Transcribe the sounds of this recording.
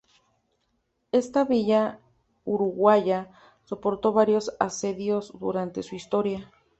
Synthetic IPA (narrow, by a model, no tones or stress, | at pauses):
e̞st̪aβiʝa | uɾuɣwaʝa | so̞po̞ɾt̪o̞βaɾjo̞sase̞ðjo̞zd̪ṵɾant̪e̞suist̪o̞ɾja